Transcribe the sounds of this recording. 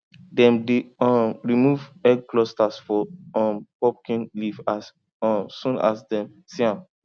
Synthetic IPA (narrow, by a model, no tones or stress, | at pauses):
dɛ̃mdeɔmɹimuvɛɡklɔstasfɔɔ̃mpɔp̚kĩnlivas | ɔsũna̰sdɛ̃m | siãn